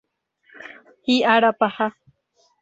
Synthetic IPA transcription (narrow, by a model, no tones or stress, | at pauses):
hiʔaɽapaha